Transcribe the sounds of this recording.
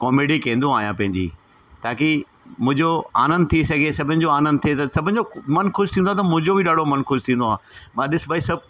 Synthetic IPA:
kɔːmeːɖikɐ̃ːnd̪ũaːɦijãpɐ̃ɦɪ̃ɲd͡ʑḭː | t̪ʰaːki | mʊ̃ɪ̃ɲd͡ʑoa̰ːnə̃nd̪̚t̪ʰisɐɡʱesɐbʱɪnɪ̆d͡ʑoaːnə̃nd̪̚t̪ʰiet̪ɐsɐbʱɪ̃nɪ̆d͡ʑomɐnkʊʃt̪ʰĩːnd̪at̪ɐmʊ̃ɦɪ̃ɲd͡ʑobʱɪɗaːɽ̤ʱomɐnxʊʃt̪ʰĩːnd̪oãːmãːɗɪsbʱaːisɐb̚

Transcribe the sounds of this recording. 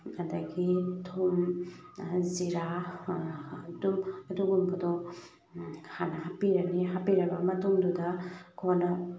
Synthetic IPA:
adaɡitʰum | ziɾa | dumduɡumkɐdɔ | kʰanaɦapiɾaniɦapiɾɐbamɐtumdudakʰna

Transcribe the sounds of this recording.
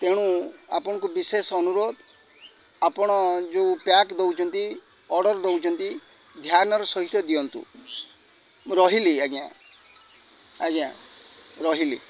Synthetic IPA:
t̪eɽ̃ua̰pɔɽ̃ɔŋkubisesɔnuɾod̪ | apɔɽ̃ɔd͡ʒeupjakd̪ewt͡ʃʰɔnt̪i | ɔɾɽɔɾd̪ewt͡ʃʰɔnt̪i | d̪ʱjanɔɾɔsɔɦit̪ɔd̪ijɔnt̪ṵ | ɾɔɦiliaɡã̰ | aɡĩã̰ | ɾɔɦilḭ

